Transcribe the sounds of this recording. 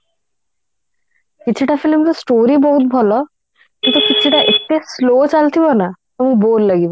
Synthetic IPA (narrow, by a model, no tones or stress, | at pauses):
kit͡ɕʰiʈafʰilmt̪ɔsʈoɾibɔɦut̪̚bʱɔlɔ | kint̪ukit͡ɕʰiʈaʔek̚t̪eslot͡ɕalt̪ʰibɔnat̪omukbolːaɡibɔ